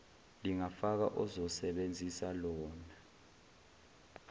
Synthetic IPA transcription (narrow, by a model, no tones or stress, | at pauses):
liŋafak̬a̰ʔuzɔsɛɓend͡zʱisalɔːna